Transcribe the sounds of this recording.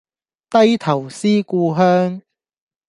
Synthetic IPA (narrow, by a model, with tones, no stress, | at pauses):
t̪ɐ˥jt̪ʰɐ˨˩wsiː˥kuː˧ɦœː˥ŋ